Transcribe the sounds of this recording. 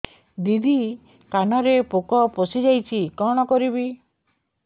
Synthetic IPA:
d̪id̪i | kanɔɾepokɔposid͡ʒajt͡ʃʰikɔɽ̃ɔkɔɾibi

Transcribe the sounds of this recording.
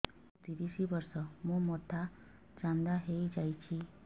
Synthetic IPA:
t̪ɾiɾisibɔɾsɔmũmɔt̪ʰa | t͡ʃand̪aɦejd͡ʒajt͡ʃʰi

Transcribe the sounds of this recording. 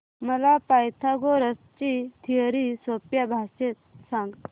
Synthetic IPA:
məlapajt̪ʰaɡoɾəst͡ɕit̪ʰiəɾisopjabʱaɕet̪̚sãŋɡ

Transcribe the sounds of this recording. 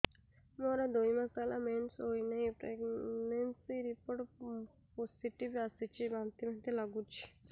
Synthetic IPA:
moɾad̪ojməsalamensɦojnaipɾeɡnensiɾipoʈ | posiʈiʋjasit͡ɕibant̪iməd̪elaɡũt͡ʃi̥

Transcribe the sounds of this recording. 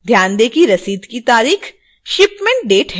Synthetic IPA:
d̪ʱjaːnd̪eːkiɾɐsiːd̪kit̪aːɾiːx | ʃɪpmẽːɳʈ̚ɖeːʈɦ

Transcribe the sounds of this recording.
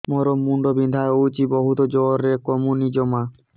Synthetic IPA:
moɾomːuɳɖobind̪ʱaeowt͡ʃibɔɦut̪ɔd͡ʒɔɾekɔmunid͡ʒɔma

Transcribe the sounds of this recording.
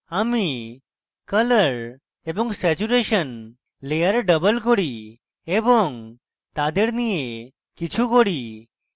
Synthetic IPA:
ami | kələɾ | ebɔŋɡsɛt͡ɕuɾeɕən | lejəɾɖəbəlkɔɽi | ebɔŋ | t̪ad̪eɾnije | kit͡ɕʰukoɽi

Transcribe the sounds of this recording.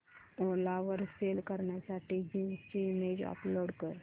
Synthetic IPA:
olaʋəɾseːlkəɾnasaʈʰiɡimst͡ʃimeːd͡ʒɔ̰ploːɽkəɾ

